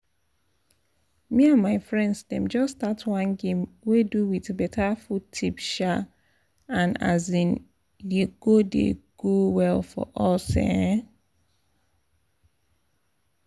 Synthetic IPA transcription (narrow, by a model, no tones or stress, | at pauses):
miãnmaɪfɹɛ̃ndsdɛ̰̃md͡ʒɔstatʰwãnɡẽmweduwiðbɛtʰafutʰipʃa | ãna̰zĩn | deɡ̥odḛɡ̥owɛlfɔ̰ʔɔsɛ̰̃